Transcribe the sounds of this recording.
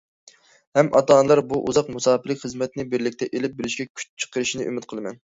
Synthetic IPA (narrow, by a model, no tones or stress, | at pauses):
hɛmʔɑ̰t̪ʰɑːnɨlˠɑɾbuʔṵzɑqmusɑːpɪlːɪkʲχəzmɛt̪nɪbɪɾlɪkʲt̪ʰɛʔelɪp̚bɪlɪʃkʲɛkʲʰy̥t͡ʃt͡ʃʰə̥qʰəɾɨʃinɨʔymɪt̪̚qʰəlˠɨmɛn